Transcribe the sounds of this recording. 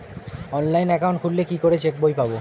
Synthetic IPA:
ɔnlajnɛkawnʈ̚kʰullekikoɾet͡ɕek̚bojpabo

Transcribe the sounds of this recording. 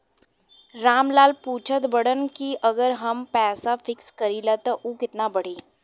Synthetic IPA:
ɾaːmlaːlpuːt͡ʃʰət̪bɐɽənkiɐɡəɾɦɐmpɛːsafɪkskɐɾiːlat̪ɔʔuːkɪt̪nabɐɽ̤iː

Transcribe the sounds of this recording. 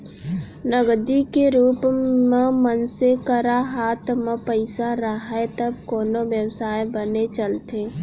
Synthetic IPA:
nəɡd̪ikeɾuːpmẽmənsekəɾaɦaːt̪ʰmẽpəɪsaɾəɦet̪əb̚koːnoʋjəwsaːjbənet͡ʃəlt̪eː

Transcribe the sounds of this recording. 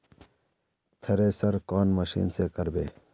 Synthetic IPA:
t̪ʰɐɾeːsɐɾkaːnməɕḭːnseːkɐɾbḛː

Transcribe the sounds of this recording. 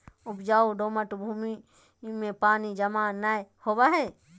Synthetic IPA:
ʊpd͡ʒaːoɖoːməʈbʱuːmi | mẽpaːnid͡ʒɐmanajhoːwaɦɛ

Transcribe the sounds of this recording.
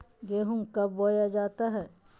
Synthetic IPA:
ɡeːɦʊmkɐbːoːjad͡ʒaːt̪aɦɛ̃ː

